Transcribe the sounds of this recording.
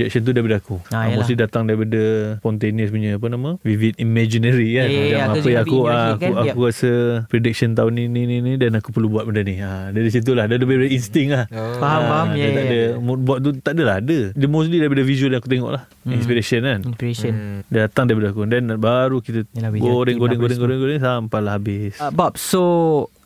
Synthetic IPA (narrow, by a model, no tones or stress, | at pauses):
d͡ʒɛk̚sənt̪̬udaɾipadəakuamosslidat̪aŋdaɾipadəpɔnt̪eniəsbuɲə̃ap̬ənamə̃wivit̪̚imɛd͡ʒinəɾikandaapəjaŋakuaakuakuɾasəpɾedik̚sənt̪̬aʊninininĩdanakupərlubuat̪̚bəndənia | dadis̬it̪̬ulahdədəpbaipadəinst̪ɪŋlahaɦaat̪aʔdəmobuat̪̚t̪ut̪aʔdəlaɦadədəmõst̪lidaɾip̬adəvisuəljãŋkut̪̬eŋɔ̰ʔlah | inspiɾesənanndat̪aŋdaɾip̬adəakudɛnbaɾukit̪əɡoɾɪŋɡoɛŋɡoɾɛŋɡoɾɛŋɡoɾɛŋsampalahɦabɪsbap̚so